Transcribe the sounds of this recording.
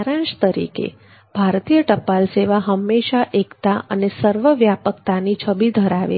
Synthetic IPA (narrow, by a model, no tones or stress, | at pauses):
ɾãʃt̪əɾḭkḛ | b̥ʱaɾt̪ijəʈəpalseʋaɦəmːeʃaʔekt̪aʔə̰nesəɾʋəʋjapəkt̪anit͡ʃʰəbid̪ʱəɾaʋḛ